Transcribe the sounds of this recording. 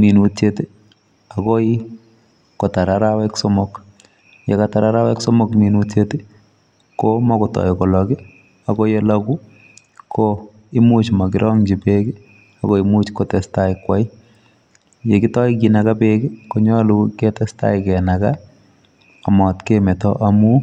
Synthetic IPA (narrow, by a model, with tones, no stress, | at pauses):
mi˨nu˨tt͡ʃete˦ | ako˦i | ko˨ta˨ɾaɾawɛkso˦mok | je˨kata˨ɾa˦ɾa˦wɛ˦kso˦mo˦kmi˨nutete˦ | koma˦kotɔ̰˨jkɔ˨lɔki˦ | ako˦je˦laku˦ | kʰo | i˦mu˦t͡ʃma˨kɪɾʔɔ˦ŋd͡ʒi˨peɡi˦ | a˨ko˦imu˦t͡ʃkotɛ˨staikwa˦i˦ | je˨ki˦tɔ˦ikina˨ka˦peɡi˦koɲɔ˦luke˦tɛ˦sta̰˦ikɛ˨naka | amɔ˨tkemɛ˨tɔʔamu